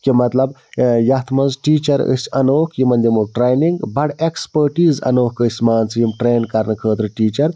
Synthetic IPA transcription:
kimɐt̪lɐbjɐt̪ʰmɐnzʈiːt͡ʃɐɾə̰sʲɐnoːkʰjimɐnd̪imoʈɾeːjniŋɡbɐɽekspəɾʈiːzɐ̰noːkəsʲmaːnt͡sjimʈɾeːnkɐɾnɐkʰəːt̪ɾɨʈiːt͡ʃɐɾ

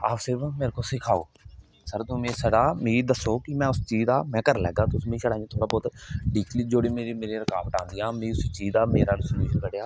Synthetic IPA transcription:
a̰ːpsebmeːɾkoːsɪkʰaːo̰ː | səɾt̪ʊ̃ːmẽːsəɽaːmẽːd̪əsoːkɪmɛ̃ːʊst͡ʃiːzd̪aːmɛ̃ːkəɾlɛ̰ːɡaːt̪ʊsmẽːsəɽãːt̪ʰoːɽaːbɔːt̪ɖiːkliːd͡ʒoːɽiːmeːɾiːmeːɾiːɾəkaːbʈã̰ːnd̪iːãːmẽʊsit͡ʃiːd̪aːmḛːɾaːlsʊnjuːʃənkəɽejaː

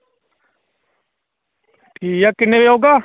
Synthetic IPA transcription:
ʈiːjakɪnːẽʋeːoːɡaː

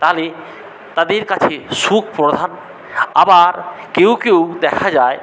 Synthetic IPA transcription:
t̪aɦole | t̪ad̪eɾkat͡ɕʰeʃukʰpɾod̪ʱan | a̰baɾkewkewd̪ɛkʰad͡ʑae

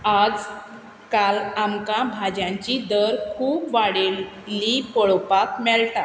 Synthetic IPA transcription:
ad͡z | kalamkãbʱad͡ʑjãɲt͡ɕid̪əɾkʰuːpʋaɽe | lipɔɭɔpak̚mɛɭt̪a

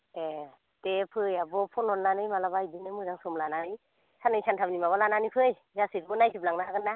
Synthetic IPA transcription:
e | tepʰɯjabɔpʰɔnɔnlanɯjmalabajdinɯmɯɾaŋsɔmlananɯj | sanɯjsʰantʰamnimaβalananipʰɯj | zasiɾbɔnajsʰip̚laŋnaɦaɡɯnːa

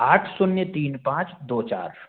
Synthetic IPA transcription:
aːʈʰsʊnjət̪iːnpãːt͡ʃd̪oːt͡ʃa̰ːɾ

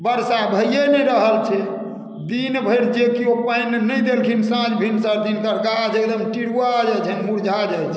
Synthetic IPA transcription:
bəɾsabʱəjjenɛɾəɦəlt͡ʃʰɛ | d̪inbʱəjɽd͡ʒekiopajnenəd̪elkʰinsãd͡ʒbʱinsəɾd̪ink̪əɾɡad͡ʒek̚d̪əmʈiɽuad͡ʒajt͡ʃʰənmuɽd͡ʒʱad͡ʒajt͡ʃʰɛ

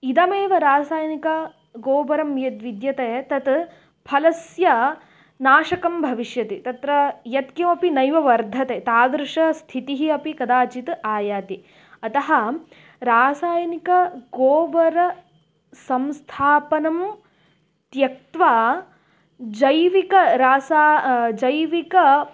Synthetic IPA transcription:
id̪ɐmeːʋɐɾaːsaːjɐnikɐ | ɡoːbɐɾɐmjɐt̪ʋid̪jɐt̪eːt̪ɐt̪ | pʰɐlɐsjɐ | naːʃɐkɐmbʱɐʋiʃjɐt̪it̪ɐt̪ɾɐjɐt̪̚kjɐmɐpinɐjʋɐʋɐɾd̪ʱɐt̪eːt̪aːd̪ɾʂɐst̪ʰit̪iɦiɐpikɐd̪aːt͡ʃit̪aːjaːt̪i | ɐt̪ɐɦɐ | ɾaːsaːjɐnikɐɡoːbɐɾɐ | sɐmst̪ʰaːpɐnɐm | t̪jɐk̚t̪ʋaː | d͡ʒɐjʋikɐɾaːsaːd͡ʒɐjʋikɐ

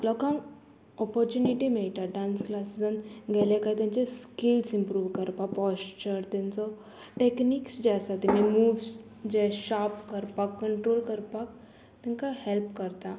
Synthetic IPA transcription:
lɔkãŋ | ɔpɔɾt͡ɕuniʈimiɭʈ̪aɖãnsklasd͡zənɡɛlẽkajt̪jãɲt͡ɕeskilsimpɾuːʋkəɾpakpɔst͡ɕəɾt̪ãnt͡sɔ | ʈekniːksd͡ʑasat̪imemuːʋs | d͡ʑɛɕapkəɾpakːəɳʈɾolkəɾpak̚ | t̪ĩŋkahɛlpkəɾt̪a

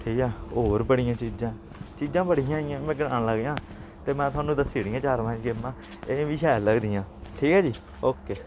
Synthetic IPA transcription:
ʈʰiːkɛːoːɾbəɽɪjãːt͡ʃiːd͡ʒãː | t͡ʃiːd͡ʒãːbəɽijãːɪjãːmɛ̃ːɡɪɽaːɽləɡːãː | t̪eːmɛ̃ːt̪ʊaːnũːd̪əsiːɽɪjãːt͡ʃaːɾmɛ̃ːd͡ʒɡɪmãː | eːʋiːʃɛːləɡd̪ɪjãːʈʰiːkɛːd͡ʒiː | oːkeː

